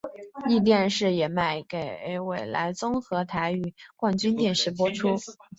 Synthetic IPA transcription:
i˥˧t̪̬jɛ˥˧nʂɻ̩˥˩jɛ˨˩ma˥˩ɪke˨˩ɪ˧˥ɪwe˨˩ɪla̰˧˥ɪt͡sʊ˥ŋxɤ˧˥t̪ʰa˧˥ɪy˨˩kwa˥˩nt͡ɕy˥nt̪jɛ˥˩nʂɻ̩˥˩p̬wɔ˥ʈ͡ʂʰu˥

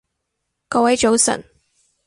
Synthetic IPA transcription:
kɔː˧wɐ˨˥jt͡ʃo˨˧wsə̰˨˩ŋ

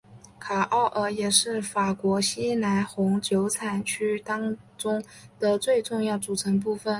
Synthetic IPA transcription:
kʰa˨˩ʔɑ˥˩ʊʔə˧˥jɛ˨˩ʂɻ̩˥˩fa˨˩kwɔ˧˥ɕi˥na˧˥nxʊ˧˥ŋt͡ɕjo˧˥ʊt͡sʰa˨˩nt͡ɕʰy˥t̪ɑ˥ŋ | ʈ͡ʂʊ˥ŋ | d̪̥ə˨t͡swe˥˧ɪʈ͡ʂʊ˥˧ŋjɑ˥˩ʊt͡su˨˩ʈ͡ʂʰɤ˧˥ŋp̬u˥˩fə˩n

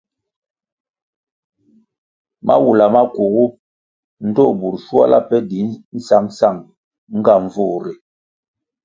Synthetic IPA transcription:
ma̰˦wu˨la˨ma˦ku˨ɣu˦ | n̩˦dɔ˦˨bu˨ɾʃu˦a̰˦la̰˦pɛ˦di˨˦n̩˦sa˦ŋsa˦˨ŋ | ŋ̩˦ɡa˦˨ɱ˨vu˦˨ɾe˨

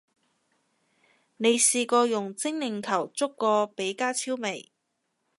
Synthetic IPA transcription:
ne˨˧jsiː˧kɔː˧jʊ˨˩ŋt͡sɪ˥ŋlɪ˨˩ŋkʰɐ˨˩wt͡sʊ˥kːɔː˧pe˨˥jkaː˥t͡sʰiː˥wme˨˩j

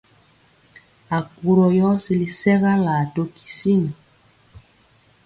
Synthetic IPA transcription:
a˨ku˨ɾɔ˨jɔ˦si˨li˨sɛ˦ɣa˦la˨to˦ki̥˨si˦ni˨

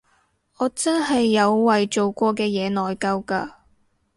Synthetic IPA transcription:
ɔː˨˧t͡sɐ˥nɦɐ˨jːɐ˨˧wːɐ˨jt͡ʃo˨wkʷɔː˧kɛː˧jɛː˨˧nɔː˨jkɐ˧wka̰ː˧

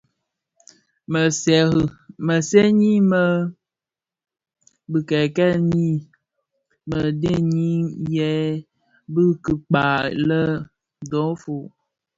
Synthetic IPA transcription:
mə˨sɛ˨mə˨sɛ˦ɲi˦mə˦ | bɨ˨kɛ˨kɛ˦˨ɲi˦˨ | mə˨de˦ɲi˦jɛ˦ | bɨ˦kɨ˨k͡pa˨lə˦ | dɔ̃˨˦fo˨

